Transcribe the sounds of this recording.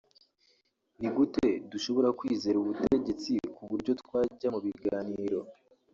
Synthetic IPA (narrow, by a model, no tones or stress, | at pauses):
niɡute̞duʃo̞βo̞ɾakwiːze̞ɾuβuteɟe̞t͡sikuβuɾɟo̞tkwaːɟamuβiɡaːniːɾo̞